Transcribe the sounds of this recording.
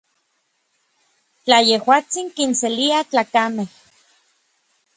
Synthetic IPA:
t͡ɬajehwaːt͡siŋkinseliat͡ɬaːkameh

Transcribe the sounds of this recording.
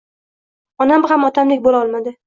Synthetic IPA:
ɒnamχamɒt̪ʰamlɪk̚ʲbolɒlˠmad̪ɪ

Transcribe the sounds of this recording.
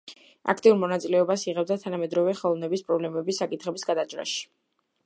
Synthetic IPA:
a̰kʰt̪ʼiuɾmɔnat̪sʼilɛɔbasiʁɛb̚d̪at̪ʰanamɛd̪ɾɔvɛχɛlˠɔvnɛbispʼɾɔblɛmɛbisːakʼit̪ʰχɛbisɡad̪ad͡ʒɾa̰ʃi̥

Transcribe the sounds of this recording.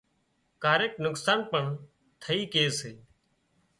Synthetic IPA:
kaːɾeːk̚nʊksaːnpəɳ | t̪ʰəiːkeːseː

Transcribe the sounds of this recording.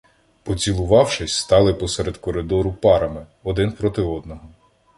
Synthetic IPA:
pɔt͡sʲilˠʊʋɑwʃɪsʲst̪ɑlˠɪpɔsɛɾed̪kɔɾɪd̪ɔɾʊpɑɾɐmɪ | ɔd̪ɪnpɾɔt̪ɪɔd̪nɔɦɔ

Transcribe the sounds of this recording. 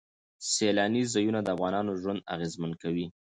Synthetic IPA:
selɑnizɑjunad̪əafɣɑnɑnoʒwand̪a̰ɣezmankawi

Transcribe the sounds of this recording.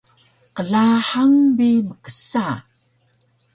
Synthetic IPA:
qəɮaħaŋbiməkə̥sa

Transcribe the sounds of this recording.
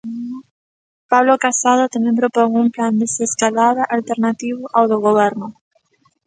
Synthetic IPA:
paβlokasað̞ʊt̪amɛ̃mpɾopoŋumpland̪eseskalaðaʔalt̪eɾnat̪iβʊʔawðoɣoβɛɾnʊ

